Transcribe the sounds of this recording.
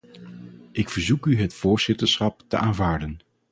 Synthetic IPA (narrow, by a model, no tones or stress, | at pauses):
ʔɪkfəɹzukyɦətfoːɹzɪtəɹsχɑp̚tə̰ʔaːnvaːɹdən